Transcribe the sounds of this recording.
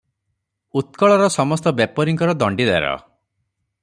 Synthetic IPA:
ut̪kɔɭɔɾɔsɔmɔst̪ɔbepɔɾiŋkɔɾɔd̪ɔɳɖid̪ḛɾɔ̰

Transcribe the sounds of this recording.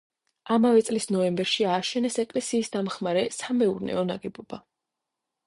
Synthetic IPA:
amavɛt̪sʼlisnɔɛmbɛɾʃiaːʃɛnɛsɛkʼlɛsiːsd̪amχmaɾɛsamɛuɾnɛ̰ɔna̰ɡɛbɔb̥a

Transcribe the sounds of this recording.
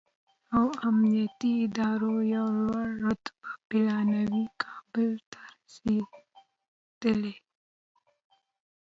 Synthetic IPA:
awamnijat̪iɪd̪ɑːɾojawlwaɽɾʊt̪bapɪlɑnawikʰɑbɪlt̪ḁɾsi | d̪̥əle

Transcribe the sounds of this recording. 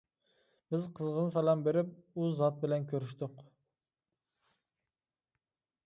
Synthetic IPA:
b̥ɪzqʰəzʁənɨsɛlˠɑmbeɾɪp̚uzɑt̪̚bɪlɛnkʲʰøɾɪʃt̪ɪq

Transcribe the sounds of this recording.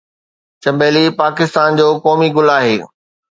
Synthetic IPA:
t͡ɕɐ̃mbeːlipaːkɪst̪aːnd͡ʑoːkɔːmiɡʊlaːɦeː

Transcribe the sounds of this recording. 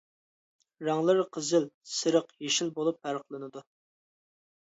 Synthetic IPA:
ɾɑŋlˠəɾqʰəzɨlsɨɾəqjeʃilbolˠup̚ːæɾəqlˠɨnɨd̪u

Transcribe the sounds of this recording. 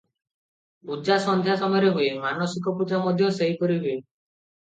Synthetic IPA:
pud͡ʒasɔnd̪ʱjasɔmɔjɔɾeɦuemanɔsik̬ɔpud͡ʒamɔd̪ʱjɔseɦikɔɾiɦue

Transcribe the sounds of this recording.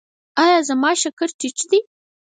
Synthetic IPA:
ɑjɑzamɑʃakəɾt͡ʃɪt͡ʃd̪i

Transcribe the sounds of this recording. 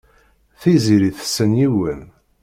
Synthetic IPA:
θiziɾiθə̥sːənjiwən

